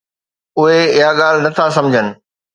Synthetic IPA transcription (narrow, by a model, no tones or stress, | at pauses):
ʊɦeɪɦaɠaːl̤nɐt̪ʰasɐ̃md͡ʑʱənɪ̆